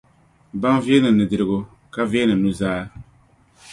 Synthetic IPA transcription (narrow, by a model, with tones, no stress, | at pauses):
ba˦n˦vi˦ɛ˦nɨ˨nɨ˨dɨ˨ɾɨ˨ɡʊ˦ | ka˦vɛ˦nɨ˨nu˦zaː˦